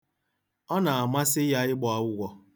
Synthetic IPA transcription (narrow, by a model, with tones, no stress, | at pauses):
ɔ˦na˨a˨ma˦sɪ˦ja˦ɪ˦ɡ͡bɔ˨a˨wʷʊ˦ɡʷɔ˦